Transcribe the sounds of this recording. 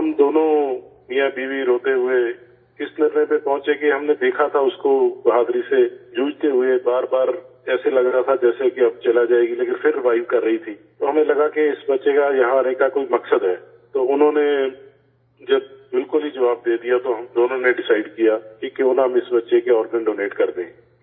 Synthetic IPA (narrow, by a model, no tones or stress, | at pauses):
ɦɐmd̪oːnõmijãbiːwiɾoːt̪eɦʊe | ɪsnɐɾnepẽpɔ̃ɦʊ̃t͡ʃekeɦɐmned̪eːkʰat̪ʰaʊskobɐɦaːd̪ɾised͡ʒũːd͡ʒt̪eɦʊebaːɾbaːɾ | ɛːselɐɡɾat̪ʰad͡ʒɛːsekeɐb̚t͡ʃɐlad͡ʒaːeːɡileːkɪnpʰɪɾːɪʋaːɪʋkɐɾːɐɦit̪ʰiːt̪oːɦɐmẽlɐɡakeɪsbɐtːʃekajɐɦãɾekakoːimɐksəd̪ɦɛː | t̪oːʊnɦõːne | d͡ʒɐb̚bɪlkʊlɦid͡ʒɐʋaːb̚d̪eːd̪ijat̪oɦɐmd̪oːnõneɖɪsaːɪɖkijakiːkeʊnɦɐmɪsbɐtːʃekeɔːɾɡə̃ɳɖoːneːʈkɐɾd̪ẽː